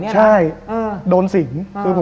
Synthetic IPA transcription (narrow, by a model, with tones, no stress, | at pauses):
t͡ɕʰa˥˩jdoː˧nsi˨˩˦ŋkʰɯː˧˩pʰ